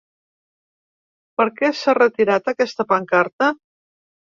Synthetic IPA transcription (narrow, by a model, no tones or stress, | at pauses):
pəɾkɛsarət̪iɾat̪əkɛst̪əpəŋkaɾt̪ə